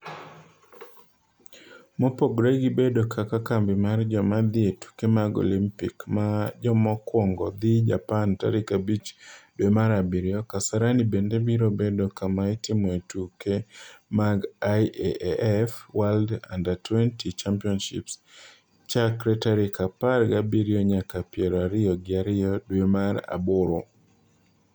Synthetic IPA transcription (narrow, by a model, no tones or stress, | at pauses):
mɔpɔɡɾeɡibedokakakambɪmard͡ʒɔmad̪ɪetu̥kemaɡo̰limpikmad͡ʒɔmɔkwɔŋɡɔd̪ɪd͡ʒa̰panta̰ɾɪkabit͡ʃdwemaɾabiɾjɔkasaɾanibendebiɾobedokamaitɪmɔetukemaɡaeʔʔɛfwalda̰ndatwɛntit͡ʃampiɔnʃɪ̰ps | t͡ʃakɾɛtaɾɪkaparɡabiɾɪɔɲakapjɛɾɔaɾɪɔɡɪaɾɪɔdwemaɾa̰bʊɾo